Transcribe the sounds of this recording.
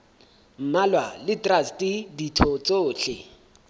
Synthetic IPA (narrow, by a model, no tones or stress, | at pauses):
m̩malwalɪtrastʼɪditʰɔt͡soːɬɪ